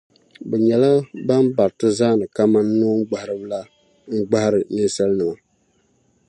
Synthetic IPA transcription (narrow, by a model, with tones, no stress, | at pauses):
bɛ˨ɲɛ˨la˦ba˦nba˨ɾtɨ˦zaː˦nɨ˨ka˦ma˦nːoː˦ŋ˦ɡ͡ba˨hɾɨ˦bla˦ | ŋ̩˦ɡ͡ba˦hɾɨ˨nɨ˦sa˦lnɨ˨ma˨